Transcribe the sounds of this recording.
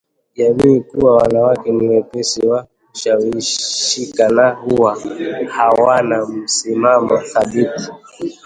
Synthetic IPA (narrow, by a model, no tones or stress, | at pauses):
ʄamiːkuwawanawakɛniwɛpɛsiwakuʃawiʃʃikanahuwahawanam̩simamɔθaɓiti̥